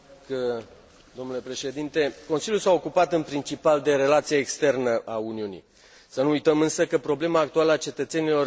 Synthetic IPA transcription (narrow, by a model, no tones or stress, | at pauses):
kə | d̪o̞mnule̞pɾe̞ʃe̞d̪int̪e̞ko̞nsiljulsao̞kupat̪ɨnpɾint͡ʃipald̪e̞ɾe̞lat̪sijaekst̪e̞rnəʔauniunḭ | sənuujt̪əmɨnsəkəpɾo̞ble̞maːk̚t̪ualəat͡ʃe̞t̪ət̪se̞nilo̞r